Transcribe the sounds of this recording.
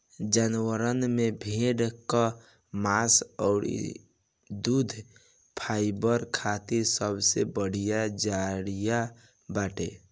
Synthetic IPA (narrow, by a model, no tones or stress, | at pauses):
d͡ʒanwəɾənmebʱeɖka | maːsɔːɾ̰ | d̪uːd̪ʱ | pʰaːɪbəɾkʰat̪iɾsəbsebəɽ̤ijad͡ʒaɽija | baːʈḛ